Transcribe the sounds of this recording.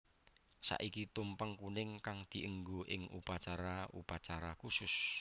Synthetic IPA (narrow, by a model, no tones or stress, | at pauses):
sa̰ʔikit̪umpəŋkunɪŋkaŋd̪̥i̤ʔəŋɡoʔɪŋupat͡ʃaɾaṵpat͡ʃaɾakusʊs